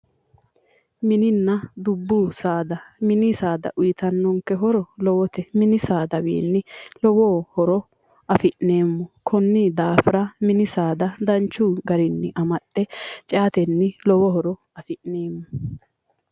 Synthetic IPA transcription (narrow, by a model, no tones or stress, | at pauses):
mɪnɪnːɐd̪ʊbːusaːd̪ɐmɪnɪsaːd̪ɐ̰ʔʊjɪt̪ɐnːɔŋkːɛɦɔɾɔlɔwɔt̪ɛmɪnɪsaːd̪ɐbḛːnːɪlɔwoːhɔɾɔ | ʔɐfɪʔne̞ːmːɔkʰɔnːɪd̪aːfɪɾɐmɪnɪsaːd̪ɐd̪ɐnt͡ʃːuːɡɐɾɪnːɪʔɐmɐtʼːɛt͡ʃʼɛɐt̪ɛnːɪlɔwɔɦɔɾɔ | ɐfɪʔneːmːɔ